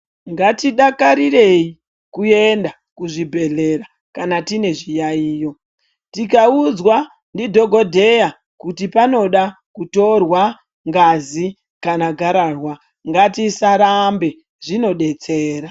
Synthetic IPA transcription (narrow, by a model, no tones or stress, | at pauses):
ŋɡatiɗakaɾire̞i | kue̞nda | kuʐibʱe̞ɮe̞ɾa | kanatine̞ʐijaiːjo̞ | tikaud͡zwa | ndidʱo̞ɡʱo̞dʱe̞ja | kutipano̞ɗa | kuto̞rwa | ŋɡazi | kanaɡʱaɾarwa | ŋɡatisaɾambe̞ | ʐino̞ɗe̞t͡se̞ːɾa